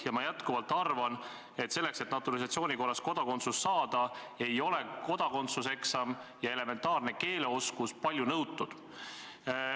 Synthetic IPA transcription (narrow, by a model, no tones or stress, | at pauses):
jɑmɑjæt̪kuvɑlt̪ːˑɑrvɑn | e̞t̪se̞lːe̞kse̞t̪nɑt̪ːulis̬ɑt̪sio̞ːnʲiko̞rːɑsko̞d̪ɑko̞nt̪susːɑːd̪̥ɑ | e̞jo̞le̞ko̞d̪̥ɑko̞nt̪suseksɑmjɑe̞le̞me̞nt̪ɑːrne̞ke̞ːleo̞skuspɑlʲjunɤwt̪ːˑud̪̥